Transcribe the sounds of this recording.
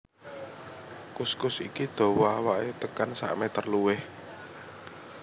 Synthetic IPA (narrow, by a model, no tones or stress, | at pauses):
kuskʊsikid̪̥o̤wɔawaʔet̪əkansa̰ʔmet̪ərluwɪh